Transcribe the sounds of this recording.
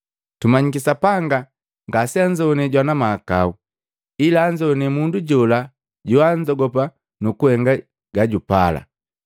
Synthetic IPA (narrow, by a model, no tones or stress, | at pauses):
tumaɲikisapaŋɡa | ŋɡasiaɲd͡ʒɔnɛɟwanamaːkau | ilaːɲd͡ʒɔnɛmunduɟɔla | ɟuaɲd͡ʒɔɡɔp̬a | nukuhɛŋɡa | ɡaɟupala̰